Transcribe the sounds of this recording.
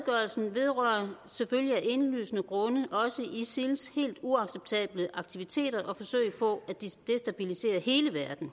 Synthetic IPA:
ɡ̥ɶɐlsn̩ʋe̝ð̞ˠʁœːɐseføljiæʔe̝nly̰ːsənəɡ̥ʁɔ̽nəʔɒ̽səʔisilshe̝̰ːld̥uɑ̈ɡ̥seb̥̚t͡sʰɛ̰ːb̥ləʔɑ̈ɡ̥̚t͡sʰiʋit͡sʰe̝̰ːɾ̥ɐʔɒ̽fɒ̽sø̰ɪpʰɒ̽æd̥id̥e̝sd̥æb̥ilise̝̰ːɐhe̝ːləʋæɐd̥n̩

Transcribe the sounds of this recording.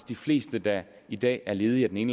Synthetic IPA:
sd̥ifle̝̰ːsd̥əd̥ɑ | id̥ɛ̰ːæɐle̝ːð̞̩ˠiæd̥ene̝nl

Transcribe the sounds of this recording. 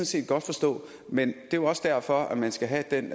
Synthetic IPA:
n̩se̝̰ːd̥̚ɡ̥ɒ̽d̥fɒ̽sd̥ɔ̰̽ː | mend̥e̝ɒ̽sd̥æɐ̰fɒ̽æmænsɡ̥æɦæd̥en̰

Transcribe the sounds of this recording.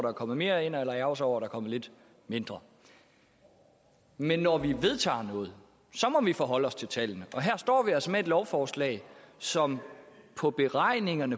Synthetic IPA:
ɾ̥ɑ̈ːkʰɒ̽m̰ð̩ˠme̝ːɐe̝n̰elɐæʊsɒʊ̰ɐd̥ɾɑ̈kʰɒ̽məle̝d̥ | me̝nd̥ʁɐ | menːɒʋiʋe̝ð̞ˠt͡sʰɑ̰̈ːnɔ̽ːð̞̩ˠ | sɒ̽mɒ̽ʋifɒɦɒ̽l̰ɒ̽st͡sʰe̝lt͡sʰæln̩əʔɒ̽ɦæɐ̰sd̥ɒ̰ːʋiælsəmee̝d̥lɒʊfɒːslɛ̰ːɪsɒ̽mpʰɒ̽b̥e̝ʁɑ̈ɪ̰ne̝ŋɐnə

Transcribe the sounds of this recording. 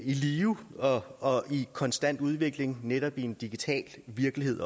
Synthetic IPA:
iliːʊɒ̽ɒ̽ikʰɒ̽nsd̥æn̰d̥uð̞ˠʋe̝ɡ̥le̝ŋneɾɒ̽b̥ie̝nd̥iɡ̥it͡sʰɛ̰ːlʋiɐɡ̥lihe̝ð̞̰ˠ

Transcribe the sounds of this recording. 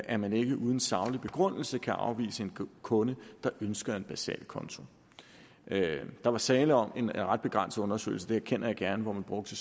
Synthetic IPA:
ʔæɐmæne̝ɡ̥əʔuð̞ˠən̩sɑ̈ʊlib̥e̝ɡ̥ʁɔ̽n̰l̩səkʰæʔɑ̈ʊʋḭːsəe̝nkʰɔ̽nəd̥ɑ̈ʔønsɡ̥ɐe̝db̥æsɛ̰ːlkʰɒ̽nt͡sʰo̝ | d̥ɑ̈ʋɑ̈sɛːləɒ̽me̝nʁɑ̈d̥̚b̥e̝ɡ̥ʁan̰sð̩ˠɔ̽nɐsø̰ɪl̩səd̥eæɐkʰen̰ʔɐjɑ̈ɡ̥æɐnəʋɒmænb̥ʁɔ̽ɡ̥̚d̥ə

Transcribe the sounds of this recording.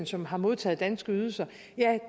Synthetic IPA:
nsɒ̽mɦɑ̈mo̝ð̞ˠt͡sʰɛ̰ːð̩ˠd̥ænsɡ̥əyðˠsɐ | jæ

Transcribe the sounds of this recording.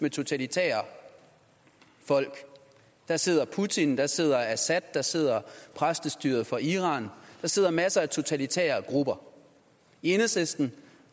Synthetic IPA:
met͡sʰo̝t͡sʰælit͡sʰḛːɐ | fɒ̽l̰ɡ̥ | d̥ɑ̈se̝ð̰ˠɐpʰut͡sʰind̥ɑ̈se̝ð̞̰ˠɐæsæd̥̚ːɑ̈se̝ð̞̰ˠɐpʰʁasd̥əsd̥y̰ːɐð̞̩ˠfɒ̽ʔiʁɑ̰̈ːnd̥ɑ̈se̝ð̰ˠɐmæsəæt͡sʰo̝t͡sʰælit͡sʰḛːɐɡ̥ʁub̥ɐ | e̝nəsesd̥n̩

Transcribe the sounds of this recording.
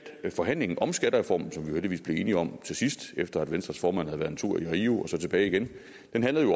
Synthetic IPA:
fɒ̽ɦæn̰le̝ŋn̩ʔɒ̽msɡ̥æɾ̥ɐʁɛfɒ̰ːmn̩sɒ̽mʋijoheld̥iʋḭːsb̥le̝e̝ːniɒ̽mt͡sʰe̝sisd̥efd̥ɐæd̥ʋensd̥ʁɐsfɒːmæn̰hæð̩ˠæɐnnt͡sʰuɐ̰iʁiːuɒ̽sɒ̽t͡sʰe̝b̥ɛːɪiɡ̥en | d̥enɦæn̰lð̩ˠjo

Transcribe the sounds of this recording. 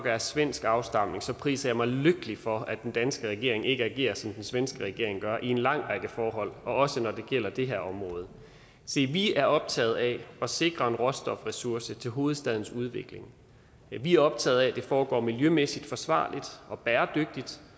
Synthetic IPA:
ɡ̥ɐæɐsʋen̰sɡ̥ɑ̈ʊsd̥ɑ̈m̰ne̝ŋsɒ̽pʰʁḭːsɐjɑ̈ɪmɑ̈ɪløɡ̥əlifɒ̽æd̥end̥ænsɡ̥əʁɛɡ̥e̝ɐe̝ŋe̝ɡ̥əæɡ̥e̝̰ːɐsɒ̽md̥ensʋensɡ̥əʁɛɡ̥e̝ɐ̰eŋɡ̥ɶɐʔie̝nlɑ̈ŋ̰ʁɑ̈ɡ̥əfɒːɦɒ̽l̰ɒ̽ɒ̽sənɒd̥e̝ɡ̥jel̰ɐd̥e̝ɦeɐɒ̽mʁɔ̽ːð̞̩ˠ | se̝̰ʋiæɐɒ̽b̥̚t͡sʰɛ̰ːð̞̩ˠæɒ̽se̝ɡ̥ʁɐe̝nʁɔ̽sd̥ɒ̽fʁɛsuɐsət͡sʰe̝lɦo̝ːð̞̩ˠsd̥ɛð̞ˠn̩suð̞ˠʋe̝ɡ̥le̝ŋ | ʋiæɐɒ̽b̥̚t͡sʰɛ̰ːð̞̩ˠæd̥e̝fɒːɡ̥ɒ̰ːmiljømesid̥fɒ̽sʋɑ̰̈ːlʔid̥ʔɒ̽b̥æːɐd̥øɡ̥̚d̥id̥

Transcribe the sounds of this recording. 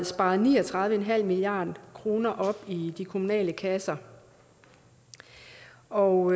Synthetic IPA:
sb̥ɑ̈ːð̩ˠnḭːɒ̽t͡sʰʁɑ̈ðˠʋəenɦæl̰miliɑ̰̈ːd̥kʰʁo̝ːnɐʔɒ̽b̥id̥ikʰo̝munɛ̰ːləkʰæsɐ | ɒ

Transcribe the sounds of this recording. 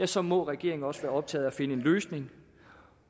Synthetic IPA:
æsɒ̽mɒ̽ʁɛɡ̥e̝ɐ̰e̝ŋ̩ɒ̽sʋæːɐɒ̽b̥̚t͡sʰɛ̰ːð̩ˠæfe̝nəe̝nløːsne̝ŋ

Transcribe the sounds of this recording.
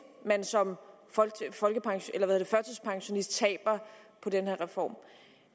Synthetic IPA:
mænsɒ̽mffɒ̽lɡ̥əpʰɑ̈ŋɕelɐʋæhheɐːd̥e̥fɶɐt͡sʰəspʰɑ̈ŋɕo̝nisd̥̚t͡sʰɛ̰ːb̥ɐpʰɒ̽d̥enheɐʁɛfɒ̰ːm

